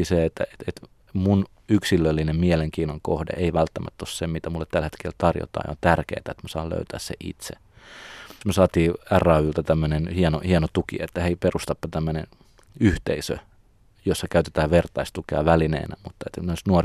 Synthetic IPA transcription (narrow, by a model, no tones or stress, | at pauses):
iseet̪ːæ̰et̪et̪ | mun | yksilːølːinemmieleŋkiːnoŋko̰hdḛʔeiʋælt̪ːæmʔæ̰t̪ːossemmit̪æmulːet̪t̪ælhet̪kelt̪ɑrjo̰t̪ɑ̰ːj̰o̰nt̪ærkḛːt̪æet̪mæsɑːlø̰yt̪æ̰ːssḛʔḭt̪sḛ | møsɑːt̪iːærːɑːylt̪æt̪æmːønenhiɛnohiɛnot̪ukḭḛt̪ːæheiperust̪ɑpːɑt̪æmːønen | yht̪eisø̰ | josːɑkæyt̪e̥t̪æːʋʋert̪ɑist̪ukeɑʋælinḛːnæ̰mut̪ːɑet̪noˑisnuor